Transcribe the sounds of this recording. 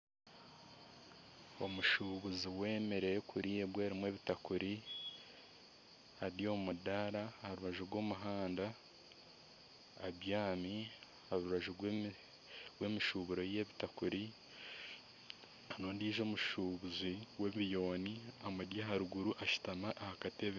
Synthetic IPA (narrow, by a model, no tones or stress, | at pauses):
o̞̰muʃuβuziwe̞ːme̞ɾe̞jekʰuɾiebwe̞ːɾimwe̞ːβitakuɾi | aɾijo̞mudaɾahaɾuβaʒuɾɡo̞ːmuɦaːnda | βjaːmi | haɾuɾaʒu | ɡwe̞miʃuβuɾo̞je̞βitakuɾi | anoːndiːʒo̞ːmuʃuβuziweββijo̞ːniamudjaɦaɾuɡuɾuʔaʃu̥tamaʔahakatieβi